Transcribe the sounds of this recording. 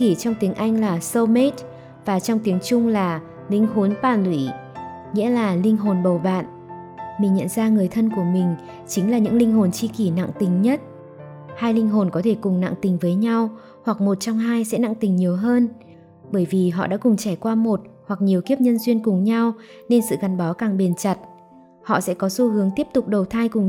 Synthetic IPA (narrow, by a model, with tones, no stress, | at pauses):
ki˧˩t͡ɕɔ˧wŋ͡mt̪i˨˦əŋʔa˧jŋ̟laː˨˩sə˧me˦˥t̚ | vaː˨˩t͡ɕɔ˧wŋ͡mt̪i˨˦əŋt͡ɕʊ˧ŋ͡mlaː˨˩ | lï˧ŋ̟ɦo˨˦npaː˧˩nwi˧˩ | ŋḭ˧˥əlaː˨˩lï˧ŋ̟ɦo˨˩nɓə˨˩wɓa̰ː˧˨n | mï˨˩ŋ̟ɲə̰˧˨nzaː˧ŋɨ˨˩əjt̪ʰə˧nku˧˩əmï˨˩ŋ̟ | t͡ɕï˨˦ŋ̟laː˨˩ɲɨ̰˧˥ŋlï˧ŋ̟ɦo˨˩nt͡ɕi˧ki˧˩na̰˧˨ŋt̪ï˨˩ŋ̟ɲə˦˥t̚ | haː˧jlï˧ŋ̟ɦo˨˩nkɔ˨˦t̪ʰe˧˩kʊ˨˩ŋ͡mna̰˧˨ŋt̪ï˨˩ŋ̟vəː˨˦jɲa˧w | hwa˨˩k̚mo˨˩t̚t͡ɕɔ˧wŋ͡mɦaː˧jsɛ̰˧˥na̰˧˨ŋt̪ï˨˩ŋ̟ɲi˨˩əwɦəː˧n | ɓəː˧˩jvi˨˩ɦɔ̰˧˨ɗa̰ː˧˥kʊ˨˩ŋ͡mt͡ɕa˧˩jkwaː˧mo˨˩t̚hwa˨˩k̚ɲi˨˩əwki˦˥əp̚ɲə˧nzwi˧ənkʊ˨˩ŋ͡mɲa˧wne˧nsɨ̰˧˨ka˨˩ŋɓaː˨˦kaː˨˩ŋɓe˨˩nt͡ɕa˨˩t̚ | hɔ̰˧˨sɛ̰˧˥kɔ˨˦su˧˦hɨ˨˦əŋt̪i˦˥əp̚t̪ʊ˨˩k͡p̚ɗə˨˩wt̪ʰaː˧jkʊ˨˩ŋ͡m